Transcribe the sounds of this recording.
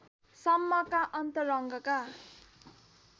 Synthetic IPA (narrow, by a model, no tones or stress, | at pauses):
sʌmːʌkaʔʌnt̪ʌɾʌŋɡʌka